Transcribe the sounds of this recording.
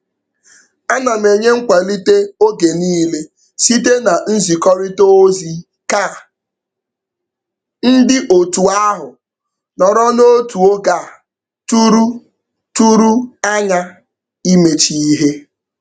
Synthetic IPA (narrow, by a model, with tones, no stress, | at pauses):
a˦na˨m˨e˨ɲe˦ŋ̩˦kʷa˨li˦te˦o˦ɡe˨niː˦le˦ | si˦te˦na˨n̩˦zi˨kɔ˦ɾɪ˦to˦o˦zi˦ | ka˦˨ | n̩˦dɪ˦ʔo˨tu˨a˦ɦʊ˨ | nɔ˨ɾɔ˦no˦tu˨o˦ɡa˨ | tu˦ɾu˦ | tu˦ɾu˦a˦ɲa˦ | i˦me˨t͡ʃi˨i˦ɦe˦